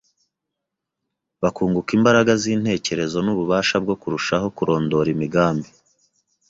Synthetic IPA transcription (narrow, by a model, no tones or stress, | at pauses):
βakuːŋɡukimbaɾaɡaziːn̥he̞ːce̞ɾe̞zo̞nuβuβaːʃabɡo̞kuɾuʃaɦo̞kuɾo̞ːndo̞ɾimiɡaːmbi